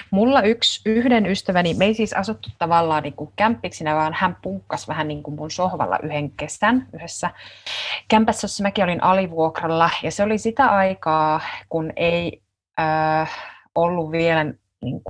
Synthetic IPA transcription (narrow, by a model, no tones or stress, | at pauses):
mulːɑyksyhdenyst̪æʋænimeisiːsɑ̰sut̪ːut̪tɑʋɑlːɑːniːŋkuŋkæmpːiksinæʋɑːnhæmpuːkːɑsʋæhænniːŋkummunsohʋɑ̰lːʔɑ̰ʔyheŋkesænyhesːæ | kæmpæsːæosːɑmækiolinʔɑliʋuokrɑlːɑjɑseolisit̪æʔɑikɑːkunei | øː | olːuʋʋielæn | nḭːŋku